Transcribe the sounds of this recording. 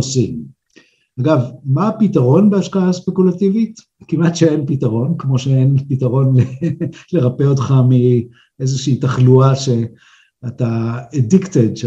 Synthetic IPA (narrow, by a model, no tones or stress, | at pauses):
osim | aɡavmaːpitaʁo̞nbeaʃkaaspe̞kulativit | kimatʃeenpitaʁo̞nkmo̞ʃeenpitaʁo̞nlele̞ʁapeotχami | ezeʃiːtaχluaʃe̞ | ataediktedʃ